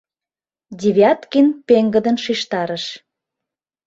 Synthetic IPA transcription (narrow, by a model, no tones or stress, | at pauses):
dʲeβjɑt̪kinpeŋɡə̆d̪ənʃiʃt̪ɑɾəʃ